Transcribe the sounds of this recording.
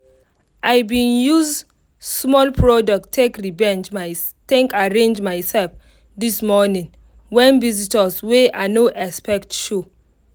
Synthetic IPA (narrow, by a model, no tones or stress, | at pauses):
ʔajbĩnjuz | smɔlpʰɹɔdɔk̚tʰːekɹivɛ̃nd͡ʒ | tɛ̃ŋkaɹẽnd͡ʒmaɪsɛlf | dismɔnĩn | wɛ̃nvizitɔsweanoʔɛspɛktʃo